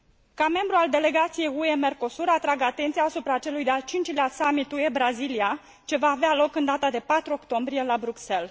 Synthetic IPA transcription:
kame̞mbɾuald̪e̞le̞ɡat̪sije̞jue̞me̞rko̞suɾat̪ɾaɡəat̪e̞nt̪sijaːsupɾat͡ʃe̞lujd̪ealt͡ʃint͡ʃileasamit̪ue̞bɾazilia | t͡ʃe̞vaːvealo̞kɨnd̪at̪ad̪e̞pat̪ɾuo̞kt̪o̞mbɾije̞labɾukse̞l

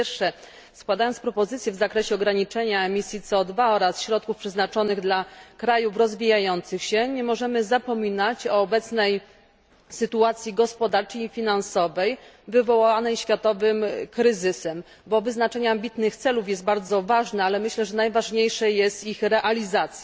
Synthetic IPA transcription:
jɛɾʂɛ | skwad̪ajɔnt̪spɾɔpɔzɘt̪sʲjɛvzakɾɛɕɛɔɡɾaɲit͡ʂɛɲaɛmʲisʲjit̪sɛɔd̪vaɔɾasɕɾɔt̪̚kufpʂɛznat͡ʂɔnɘɣd̪lakɾajufɾɔzvʲijajɔnt̪sɘxɕɛɲɛmɔʐɛmɘzapɔmʲinat͡ɕɔːbɛt̪snɛj | sɘt̪uat̪sʲjiɡɔspɔd̪aɾt͡ʂəjifʲinansɔvɛj | vɘvɔwaanɛjɕfʲjat̪ɔvɘmkɾɘzɘsɛm | bɔvɘznat͡ʂɛɲɛambʲit̪nɘxt̪sɛlufjɛst̪̚baɾd̪zɔvaʐnɛalɛmɘɕlɛʐɛnajvaʐɲejʂɛjɛst̪ixɾɛʔalʲizat̪sʲj

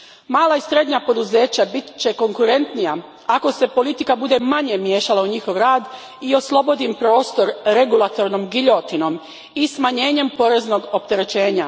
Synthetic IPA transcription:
maːlaisɾe̞d̪ɲapo̞d̪uze̞ːt͡ɕabit̪t͡ɕe̞ko̞ŋkuɾe̞nt̪nija | ako̞se̞po̞lit̪ikabud̪e̞maɲe̞mje̞ːʃalˠauɲixo̞ʋɾaːd̪ | io̞slˠo̞bo̞d̪impɾo̞ːst̪o̞ɾɾe̞ɡulˠat̪o̞ɾnomɡiʎo̞t̪ino̞m | ismaɲe̞ːɲe̞mpo̞ɾe̞zno̞ɡo̞p̚t̪e̞ɾe̞t͡ɕe̞ːɲa

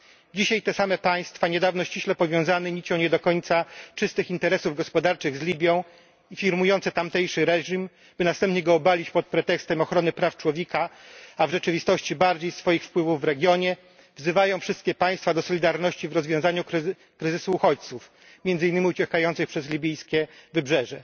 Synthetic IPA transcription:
d͡ʑiɕajt̪ɛsamɛpaj̃st̪faɲɛd̪avnɔɕt͡ɕiɕlɛpɔvʲjɔ̃w̃zanɛɲit͡ɕɔw̃ɲɛd̪ɔkɔɲt̪sat͡ʂɘst̪ɘxint̪ɛɾɛsuvɡɔspɔd̪aɾt͡ʂɘɣzlʲibʲjɔ̃w̃ | ifʲiɾmujɔnt̪sɛt̪amt̪ɛjʂɘɾɛʐim | b̥ɘnast̪ɛmpɲɛɡɔːbalʲit͡ɕpɔt̪̚pɾɛt̪ɛkst̪ɛmɔxɾɔnɘpɾaft͡ʂwɔvʲjekaavʐɛt͡ʂɘvʲist̪ɔɕt͡ɕibaɾd͡ʑejsfɔjixfpwɘvuvːɾɛɡʲjɔɲɛ | vzɘvajɔ̃w̃fʂɘst̪̚kʲɛpaj̃st̪fad̪ɔsɔlʲid̪aɾnɔɕt͡ɕivɾɔzvʲjɔ̃w̃zaɲuɾ | kɾɘzɘsuːxɔt͡ɕt̪suf | mʲjɛnd̪zɘinːɘmʲiut͡ɕɛkajɔnt̪sɨxpʂɛzlʲibʲijskʲɛvɘbʐɛʐɛ

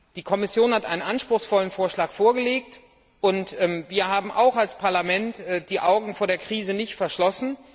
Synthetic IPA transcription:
d̥iːkʰɔmɪsjoːnhatʔa̰ɪnənʔanʃpʁ̥ʊxsfɔlənfoːɐʃlaːkfoːɐɡəleːk̚t | ʔʊntɛmviːɐɦaːbm̩ʔa̰ʊxalspʰaɐlamɛntd̥iːʔaʊɡŋ̩foːɐɾeːɐkʁ̥iːzənɪçtfɛɐʃlɔsn̩

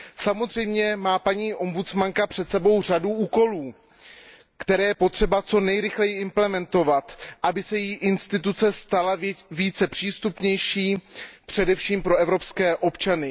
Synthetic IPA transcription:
samo̞zr̝ɛjmɲɛmaːpaɲiːʔo̞mbut͡smaŋkapr̝̥ɛt̪sɛbo̞wr̝aduʔuːko̞luː | kt̪ɛɾɛːjɛpo̞t̪r̥ɛbat͡so̞nɛjɾɪxlɛjɪɪmplɛmɛnt̪o̞vat̪ʔabɪsɛjiːʔɪnst̪ɪt̪ut͡sɛst̪alaviːt͡sɛpr̝̥iːst̪upɲɛjʃiːpr̝̥ɛdɛfʃiːmpɾo̞ɛvɾo̞pskɛːʔo̞pt͡ʃanɪ

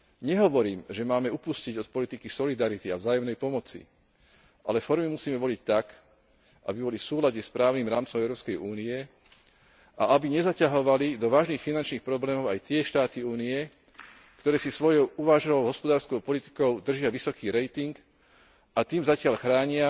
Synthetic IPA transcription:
ɲɛɦɔʋɔɾiːmʒɛmaːmɛupusciɟɔt̪pɔlit̪ikisɔlid̪aɾit̪ia̰vzaːjɔmnɛjpɔmɔt͡sḭ | ʔa̰lɛfɔɾmimusiːmɛʋɔlict̪ak | ʔa̰bibɔlifsuːlaɟɲɛspɾaːʊniːmɾaːmt͡sɔmɛʊɾɔːpskɛjuːniɛ | ʔaʔabiɲɛzacaɦɔʋalid̪ɔʋaːʒniːxfinant͡ʃniːxpɾɔblɛːmɔʊajt̪ɪɛʃt̪aːt̪iuːniɛ | kt̪ɔɾɛːsisʋɔjɔʊuʋaːʒalɔʊɦɔspɔd̪aːɾskɔʊpɔlit̪i̥kɔʊd̪r̩ʒɪaʋisɔkiːɾɛjt̪iŋk | at̪iːmzacɪaʎxɾaːɲɪa

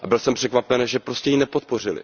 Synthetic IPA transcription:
ʔabɪlsɛmpr̥ɛkvapɛnʒɛpɾo̞scɛjinɛpot̪̚por̝ɪlɪ̰

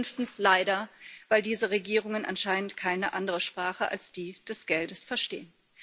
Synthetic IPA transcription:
nftn̩slaɪdɐvaɪldiːzəʁeɡiːʁ̞ʊŋənʔa̰nʃaɪnən̩tkʰaɪnəʔandəʁəʃpʁ̥aːχəʔa̰lsd̥iːd̥ɛsɡ̥ɛldəsfɛɐʃtḛːən

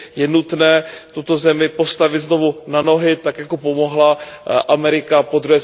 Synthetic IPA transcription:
jɛnut̪nɛːt̪ut̪o̞zɛmɪpo̞st̪avɪt̪zno̞vunano̞ɦɪt̪akjako̞po̞mo̞ɦlaʔamɛɾɪkapo̞d̪ɾuɦɛː

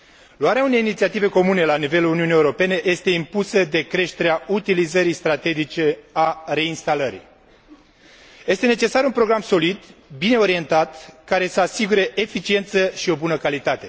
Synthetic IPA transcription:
luaɾeaune̞jinit̪siat̪ive̞ko̞mune̞lanive̞luluniunijeuɾo̞pe̞ne̞je̞st̪e̞impusəd̪e̞kɾe̞ʃt̪e̞ɾeaut̪ilizəɾijst̪ɾat̪e̞d͡ʒit͡ʃe̞are̞inst̪aləɾḭ | je̞st̪e̞ne̞t͡ʃe̞saɾunpɾo̞ɡɾamso̞lid̪bine̞o̞ɾie̞nt̪at̪kaɾe̞səasiɡuɾe̞ʔefit͡ʃie̞nt̪səʃio̞bunəkalit̪at̪e̞

